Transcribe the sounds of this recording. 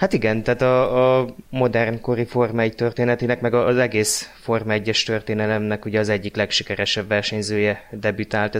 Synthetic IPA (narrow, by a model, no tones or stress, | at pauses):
hat̪iɡɛnt̪aːt̪ɒː | mo̞d̪ɛrnko̞ɾifo̞rmɛɟt̪ørt̪eːnɛt̪eːnɛkmɛɡɒzɛɡeːsfo̞rmɛɟːɛʃt̪ø̞rt̪eːnɛlɛmnɛkuɟɛɒzɛɟːiklɛkʃikɛɾɛʃɛbːɛrʃɛɲzøːjɛd̪ɛbyt̪aːlt̪ɛ